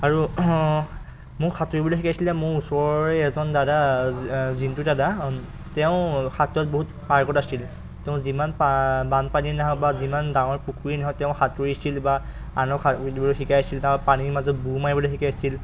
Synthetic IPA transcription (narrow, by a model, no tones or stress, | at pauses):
aɹu | mʊɹxʰatuɹibɔlexikajsilɛmʊɹusɔɹɔɹɛɛzɔndada | zintudada | tɛʊ̃xatɔt̚boɦut | paɹkɔtasil | tɛʊ̃zimanpabanpaninaɦɔwbazimandaŋɔɹpukʰuɹinaɦɔtɛʊ̃xatuɹiasilba | anɔkʰadbɔlɔxikajasilnapanimazɔt̚bumajbɔlexikajsil